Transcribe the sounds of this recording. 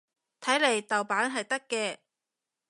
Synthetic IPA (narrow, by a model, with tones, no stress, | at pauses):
t̪ʰɐ˨˥jle˨˩jt̪ɐ˨˩wpaː˨˥nɦɐ˨jt̪ɐ˥kːɛː˧